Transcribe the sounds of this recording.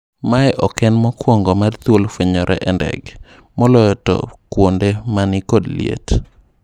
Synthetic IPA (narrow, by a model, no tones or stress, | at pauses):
maɛʔɔkɛnmɔkwoŋɡɔmart̪wolfweɲɔɾʔɛ̰ʔɛndɛ̰ɡ | mɔlɔjɔtɔ̰kwondemanɪkodliḛt